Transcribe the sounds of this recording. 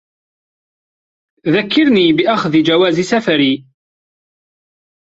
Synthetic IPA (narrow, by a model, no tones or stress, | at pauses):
ðækːiɾnibiʔæχðid͡ʒæwæzisæfɾi